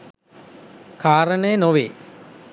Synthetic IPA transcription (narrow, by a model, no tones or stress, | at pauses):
kʰaːɾənəjənoʋeː